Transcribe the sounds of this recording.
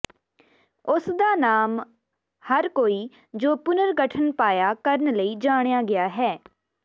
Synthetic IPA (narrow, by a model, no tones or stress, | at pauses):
ʊsd̪aːnaːm | həɾkoːiː | d͡ʒoːpʊnəɾɡəʈʰənpaːjaːkəɾənləiːd͡ʒaːɽ̃jaːɡɪaːɦɛː